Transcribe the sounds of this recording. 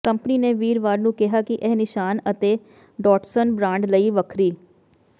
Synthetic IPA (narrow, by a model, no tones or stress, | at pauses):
kəmpəniːneːʋiːɾʋaːɾnũːkɪɦaːkɪʔɛːnɪʃaːnət̪eː | ɖɔːʈsənbɾãːɳɖləiːʋəkʰɾiː